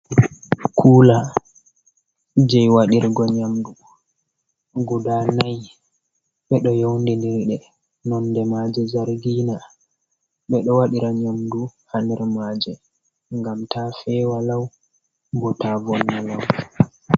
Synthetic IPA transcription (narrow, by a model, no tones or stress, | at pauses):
kʰuːla | d͡ʒɛjwaɗiɾɡɔɲamdu | ɡudanaj | ɓɛɗɔjɔwndɛndiɾɗɛ | nɔndɛmaːd͡ʒɛzaɾɡiːna | ɓɛɗɔwaɗiɾaɲamduhanɛɾmad͡ʒɛ | ŋɡamtʰafɛwalaw | bɔtavɔnːalaw